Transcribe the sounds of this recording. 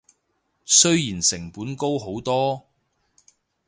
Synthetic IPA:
sɵ˥ɥjiː˨˩nsɪ˨˩ŋpuː˨˥nko˥wɦo˨˥wt̪ɔː˥

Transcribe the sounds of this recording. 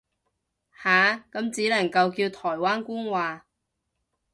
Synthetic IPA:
haː˨˧kɐ˨˥mt͡siː˨˥lɐ˨˩ŋkɐ˧wkiː˧wt̪ʰɔː˨˩jwaː˥nkuː˥nwaː˨˧

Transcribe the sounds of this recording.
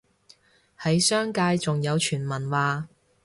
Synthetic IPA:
hɐ˨˥jsœː˥ŋkaː˧jt͡sʊ˨ŋjɐ˨˧wt͡ʃʰyː˨˩nmɐ˨˩nwaː˨˧

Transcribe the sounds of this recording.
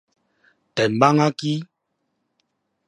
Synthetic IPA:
tɛ˨m̩˨ba˦ŋa˦ki˦

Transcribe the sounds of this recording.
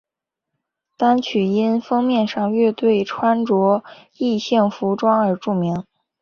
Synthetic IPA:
t̪a˥nt͡ɕʰy˨˩i˥nfɤ˥ŋmjɛ˥˧nʂɑ˥˧ŋɥɛ˥˧t̪we˥˩ɪʈ͡ʂʰwa˥nʈ͡ʂwɔ˧˥ | i˥˧ɕɛ˥˩ŋfu˧˥ʈ͡ʂwɑ˥ŋə˞˨˧˥ʈ͡ʂu˥˩mi˧˥ŋ

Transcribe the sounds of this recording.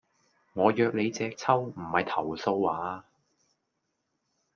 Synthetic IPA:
ŋɔː˨˧jœː˧k̚le˨˧jt͡sɛː˧k̚t͡sʰɐ˥wm̩˨˩hɐ˨jt̪ʰɐ˨˩wso˧waː˨˥

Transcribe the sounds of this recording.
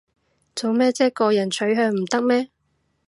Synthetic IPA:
t͡so˨wmɛː˥t͡sɛː˥kɔː˧jɐ˨˩nt͡ʃʰɵ˨˥ɥɦœː˧ŋm̩˨˩t̪ɐ˥k̚mɛː˥

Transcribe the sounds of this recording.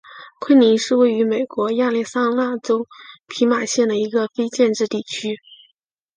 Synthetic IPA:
kʰə˥nni˧˥nʂɻ̩˥˧we˥˩ɪy˧˥me˨˩ɪkwɔ˧˥ja˥˧li˥˩sa˥la˥˩ʈ͡ʂo˥ʊpʰi˧˥ma˨˩ɕjɛ˥˩nd̪ə˩i˧˥ɡə˧fe˥ɪt͡ɕjɛ˥˧nʈ͡ʂɻ̩˥˧t̪i˥˩t͡ɕʰy˥

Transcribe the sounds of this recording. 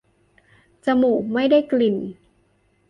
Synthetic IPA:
t͡ɕa˧muː˨˩ma˥˩jda˥˩jkli˨˩n

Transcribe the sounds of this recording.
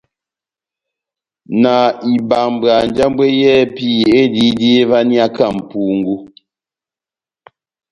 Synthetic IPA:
na˨i˨ba˨m˨bɰa˨n˨d͡ʒa˦m˦bwe˦jɛ˦pi˦je˦di˦di˦e˦va˦ni˦a˦ka˦˨m̩˨pu˨ŋ̩˦ɡu˦

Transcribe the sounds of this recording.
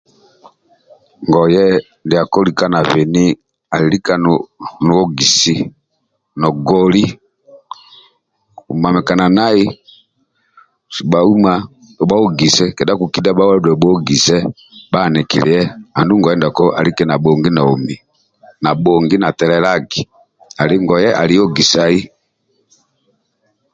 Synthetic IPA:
ŋɡɔ˨jɛ˦ | ndi˨a˨kɔ˦li˨ka˦na˨vɛ˨ni˦ | a˨li˨li˦ka˦nnu˨˦ɔ˦ɡi˨si˦ | nɔ˨ɡɔ˦li˦ | u˨ma˨mɛ˨ka˨na˨na˦i˦ | si˨ba˨u˦ma˦ | ɔ˨ba˦ɔ˦ɡi˨sɛ˦kɛ˨da˦ku˨ki˦da˦ɓa˦wa˦ɾdɛ˨bɔ˦ɡi˨sɛ˦ | ba˦˨nɛ˨kḭ˨lɛ̰˨jɛ˦a˨ndu˦ŋɡɔ˨jɛ˦nda˨kɔ˦ʔa˨li˦kɛ˨na˨bɔ˨ŋɡi˦na˨ɔ˨mi˨ | na˨ɓɔ˨ŋɡi˦na˨tɛ˨lɛ˨la˦ɡi˨ | a˨li˦ŋɡɔ˨jɛ˦ʔa˨li˦jɔ˦ɡi˨sa˨i˦

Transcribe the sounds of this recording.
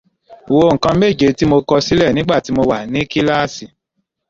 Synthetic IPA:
wo˧ŋ̩˨kã˧˦me˦˨d͡ʒe˨˦ti˦mo˧kɔ˧si˦lɛ˦˨nĩ˦ɡ͡ba˦˨ti˨˦mo˧wa˨nĩ˦ki˦la˦˨si˨

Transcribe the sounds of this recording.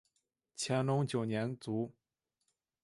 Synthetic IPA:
t͡ɕʰjɛ˧˥nlʊ˧˥ŋt͡ɕjo˨˩ʊnjɛ˧˥nt͡su˧˥

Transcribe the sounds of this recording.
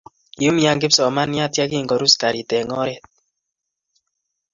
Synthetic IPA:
ju˦mja˦ŋɡɪ˦psɔ˨ma˦nja˦tja˦ki˦˨ŋɡɔ˨ɾu˦ska˨ɾi˨tɛ˨ŋɔ˦ɾɛ˦t̚

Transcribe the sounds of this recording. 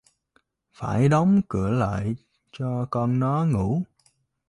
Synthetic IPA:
faː˧˩jɗɔ˨˦wŋ͡mkɨ̰˧˩əla̰ː˧˨j | t͡ɕɔ˧kɔ˧nnɔ˨˦ŋu˧˩˥

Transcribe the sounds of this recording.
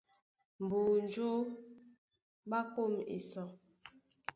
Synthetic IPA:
m̩˨buː˨n˨˦d͡ʒo˦ | ɓa˦ko˦˨mḛ˨sɔ˨

